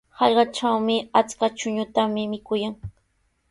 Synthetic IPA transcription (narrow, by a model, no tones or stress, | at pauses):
hɑʎɢɑt͡ʃawmɪat͡skat͡ʃʊɲʊt̪amɪmɪkʊjaŋ